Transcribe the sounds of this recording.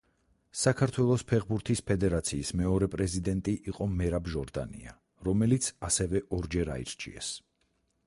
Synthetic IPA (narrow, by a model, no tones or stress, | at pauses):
sakʰaɾt̪ʰwɛlˠɔspʰɛʁbuɾt̪ʰispʰɛd̪ɛɾat̪sʰiːsmɛɔɾɛpʼɾɛzid̪ɛnt̪ʼiʔiqʼɔmɛɾabʒɔɾd̪a̰nḭa̰ | ɾɔmɛlit̪sʰasɛvɛʔɔɾd͡ʒɛɾa̰ḭɾt͡ʃʰḭɛ̰s